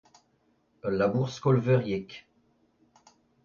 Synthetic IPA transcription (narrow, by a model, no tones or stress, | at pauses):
labuʁskɔlvɛʁjɛk